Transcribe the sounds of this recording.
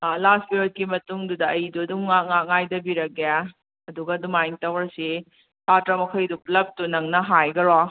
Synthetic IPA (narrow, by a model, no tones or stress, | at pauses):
lasbiɾot̚kimɐtuŋdudɐɐjduɐdumŋak̚ŋak̚ŋajdɐbiɾɐɡeja | ɐduɡɐːdumajiŋtɐwɾɐsi | tʰatɾɐmɐkʰɐjduplɐp̚tunɐŋnɐɦajɡɐɾo